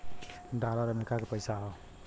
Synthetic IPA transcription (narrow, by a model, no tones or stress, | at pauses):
ɖalaɾʌmeɾikakopʌjsaɦo